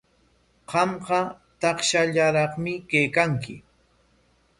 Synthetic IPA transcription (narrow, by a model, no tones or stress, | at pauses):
ɢɑmɢɑ | t̪ɑχʃaʎaɾɑχmɪkejkaŋkɪ̰